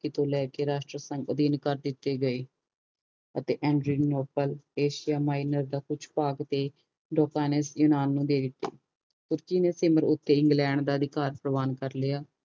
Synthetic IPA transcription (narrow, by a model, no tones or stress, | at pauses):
kɪt̪õːlɛːkeːɾaːʃʈɾəsəŋɡəd̪iːnkəɾd̪ɪt̪ːeːɡəeː | ət̪eːʔɛ̃ːɳɖɾiːnoːpəleːʃɪjaːmaːinəɾd̪aːkʊt͡ʃʰpaːɡt̪eː | ɖoːkaːnesjuːnaːnːũːd̪eːd̪ɪt̪ːḛː | t̪ʊɾkiːneːsɪməɾʊt̪ːeːɪ̃ŋɡlɛ̃ːɳɖd̪aːəd̪ɪkaːɾpɾəʋaːnkəɾleːaː